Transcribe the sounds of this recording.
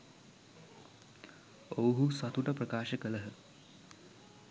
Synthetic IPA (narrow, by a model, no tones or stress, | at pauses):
owɦuswɐt̪ʰuʈɐpɾɐkaːʃɐkəlɐɦə